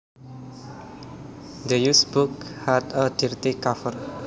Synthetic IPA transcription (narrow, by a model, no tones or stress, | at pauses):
d̪əjusbuk̚hadədiɾt̪ikafər